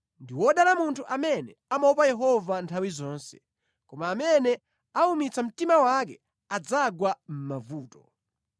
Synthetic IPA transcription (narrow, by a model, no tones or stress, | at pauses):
ndiwɔɗalamuntʰuʔamɛnɛamaupajɛɦɔvantʰawizɔːnsɛ̥ | kɔmaːmɛnɛ | aumit͡sam̩timawak̬ɛ | ad͡zaɡwam̩mavuːtɔ